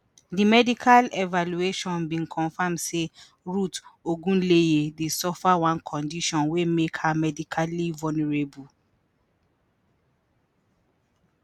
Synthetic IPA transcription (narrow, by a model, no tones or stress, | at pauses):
dimɛdikʰalɛvalueʃɔ̃nbĩnkʰɔ̃nfãmse | ɹutoɡũnlejedesɔfawãnkʰɔ̃ndiʃɔ̃nwemekhamɛdikʰalivɔnɛɹebu